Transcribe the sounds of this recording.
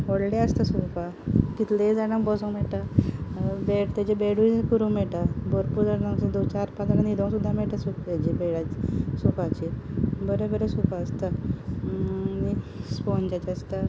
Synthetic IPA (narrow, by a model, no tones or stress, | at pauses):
ɔɽleəst̪asupa | kit̪led͡zaɽakbɔsõŋmɛʈa | beʈt̪ad͡ʑebeɽukəɾũmɛʈabəɾpuɾd͡zaɽnasid̪ot͡ɕaɾpad̪aɽanid̪ʱõŋ̃sud̪ʱːameʈasukt̪ad͡ʑibeɽasukat͡ɕibəɾebəɾesupaːst̪a | nispɔnt͡ɕat͡ɕaəst̪a